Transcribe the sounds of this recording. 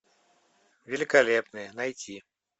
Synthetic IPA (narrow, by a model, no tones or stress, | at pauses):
vʲelʲikalʲɛpnɨjɐnajt͡sʲi